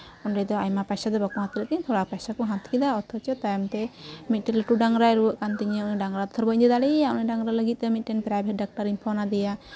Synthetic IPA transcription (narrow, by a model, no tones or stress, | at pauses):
ɔnɖɛd̪ɔajmapajsad̪ɔbakɔɦat̪ʰləkint̪ʰɔɽak̚pajsakɔɦãt̪ʰkid̪aɔt̪ʰɔt͡ʃɔt̪ajmt̪ɛmit̪̚ˀʈɛlɛʈuɖaŋɡɾajɾuwəʔkant̪iɲɛɖaŋɾat̪ɔt̪ʰɔɾbəd̪id̪aɽiaʔɔnɛɖaŋɡɾaləɡit̪̚ˀt̪ɛmit̪̚ˀʈɛnpɾajbʱɛt̚ɖak̚ʈaɾimpʰɔnad̪ɛja